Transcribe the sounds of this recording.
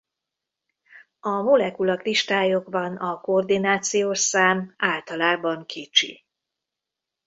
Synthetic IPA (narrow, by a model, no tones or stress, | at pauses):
ɒmo̞lɛkulɒkliʃt̪aːjo̞ɡbɒnɒkoːrd̪inaːt̪sijoːʃsaːmaːlt̪ɒlaːbɒŋkʰit͡ʃḭ